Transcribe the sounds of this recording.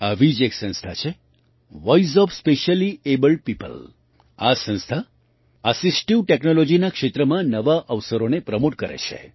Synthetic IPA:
aʋid͡ʒeksə̃nst̪ʰat͡ʃʰe | ʋɔiz̬ɔfspeʃəliebəlɖ̚pipə̰l | asə̃nst̪ʰa | əsisʈiʋʈeknolod͡ʒinakʃet̪ɾəmãnəʋaʔəʋsəɾonepɾəmoʈkəɾḛt͡ʃʰḛ

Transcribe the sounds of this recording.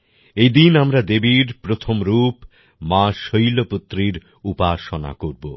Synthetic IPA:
ejd̪inamɾad̪ebiɾpɾot̪ʰomɾup | mãʃojloput̪ːɾiɾ | upaʃona̰koɾbo

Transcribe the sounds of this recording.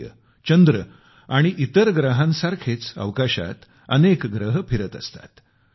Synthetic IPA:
ə̰ | t͡ɕənd̪ɾə | aɽ̃iʔit̪əɾɡɾəɦãnsaɾkʰet͡sə̰ʋkaɕa̰t̪ | ənekɡɾəɦəpiɾət̪əst̪ḁ̰t̪

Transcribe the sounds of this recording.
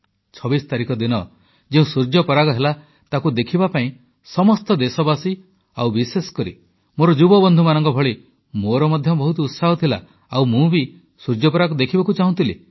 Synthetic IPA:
t͡ʃʰɔbist̪aɾikɔd̪inɔ | d͡ʒeũsuɾd͡ʒɔpɔɾaɡɔɦela | t̪akud̪ekʰibapaĩ | sɔmɔst̪ɔd̪esɔbasi | awbisesɔ̥kɔɾḭ | moɾɔd͡ʒubɔbɔnd̪ʱumanɔŋkɔbʱɔɭi | moɾɔmɔd̪ʱjɔbɔɦut̪ɔut̪saɦɔt̪ʰila̰ | awmũbi | suɾd͡ʒɔpɔɾaɡɔd̪ekʰibakut͡ʃaɦũnt̪ili

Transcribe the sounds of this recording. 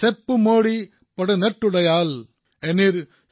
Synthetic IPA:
sɛpːɯmoːɽi | pɐɽɯnɐʈːɯɽɐjaːl | ɛniɾ

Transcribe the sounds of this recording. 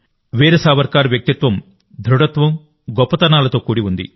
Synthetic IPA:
ʋeːɾɐsaːʋɐɾkaːɾɐʋjɐk̚t̪it̪ʋɐm | d̪ʱɾuɽɐt̪ʋɐm | ɡɔpːɐt̪ɐnaːlɐt̪oːkuːɽiund̪ḭ

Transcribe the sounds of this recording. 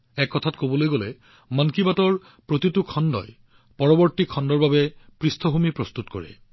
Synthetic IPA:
ɛkːɔtʰatkobɔlojɡolɛ | mankibatɔɹ | pɹotitukʰɔndɔ̰j | pɔɹɔbɔɹtikʰɔndɔɹbabɛpɹistʰɔɦumipɹɔst̪utkɔ̰ɹɛ̰

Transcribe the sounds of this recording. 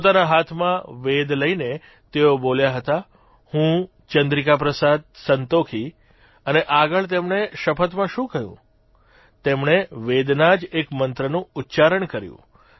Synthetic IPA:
pot̪anaɦat̪ʰmãʋed̪ləine | t̪eoboljaɦət̪a | hũ | t͡ʃənd̪ɾikap̬ɾəsad̪̚sənt̪okʰi | əneʔaɡəɭt̪̬emɳeʃəpʰət̪mãʃũkəɦjṵ̃ | t̪emɳeʋed̪nad͡ʒekmənt̪ɾənũutːt͡ʃaɾəɳkəɾjṵ̃

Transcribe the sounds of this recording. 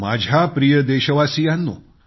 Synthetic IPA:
ma̰d͡ʑʱjapɾijəd̪eɕəʋasijanːṵ

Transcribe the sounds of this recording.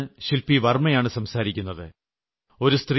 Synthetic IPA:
ɕilpiʋɐrmɐjaːɳɨsɐmsaːɾikʲːunːɐðɨ | o̞ɾust̪ri

